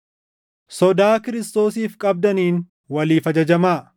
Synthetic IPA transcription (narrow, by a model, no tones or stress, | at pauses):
sɔd̪aːkɪɾɪst̪o̞ːsiːfkʼɐb̚d̪ɐniːn | wɐliːfɐd͡ʒɐd͡ʒɐmaː